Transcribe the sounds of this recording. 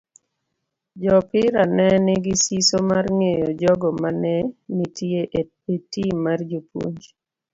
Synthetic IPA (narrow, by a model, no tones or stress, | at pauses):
d͡ʒɔpɪɾanɛnɪɡisisomarŋejɔd͡ʒɔɡɔmanɛnitieʔe | etimard͡ʒopwo̰ɲd͡ʒ